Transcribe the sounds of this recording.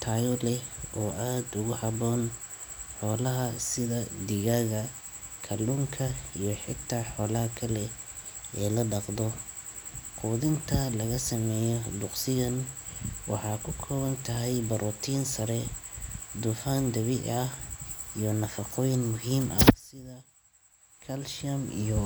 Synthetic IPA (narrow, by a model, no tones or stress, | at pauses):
t̪ʰaːjɔlɛʔɔːʔaːd̪ʊɣʊhɑβɔːn | ħɔːlɐɦɐsɪðɐd̪ɪɣaːɣɐ | kʰɐlʊŋkʰɐijɔħɪt̪ʰaːħɔːlɐɦɐkʰɐlɛ | ɛːlɐɖɑqd̪ɔ | qʰuːðɪnt̪ʰɐlɐɣɐsɐmɛːjɔd̪ʊqsɪɣɐnwɑ̰ħɑːkʰʊkʰɔːβɐnt̪ʰɐɦɛjbɐɾʔɔt̪ʰiːnsɐɾɛ | d̪ʊfaːnd̪ɐβɪɐhijɔnɐfɑqɔjɪnmʊɦiːmʔɐsɪðɐ | kʰɐlʃɐmḭjɔ